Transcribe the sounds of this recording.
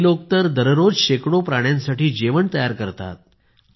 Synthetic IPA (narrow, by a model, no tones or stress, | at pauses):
lok̚t̪əɾd̪əɾɾod͡zɕekɽopɾaɽ̃jãnsaʈiːd͡ʑeʋəɳt̪əjaɾkəɾt̪a̰t̪̚